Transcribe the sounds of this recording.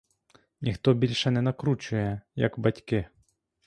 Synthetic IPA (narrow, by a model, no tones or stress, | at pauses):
nʲixt̪ɔbʲilʲʃɛnɛnɐkɾut͡ʃʊjɛjɐ̰kbɐtʲkɪ